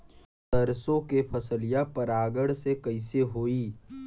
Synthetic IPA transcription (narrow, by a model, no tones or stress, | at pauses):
t̪ɐɾsõkepʰɐsəlijapəɾaːɡəɽsekɐɪseɦoːiː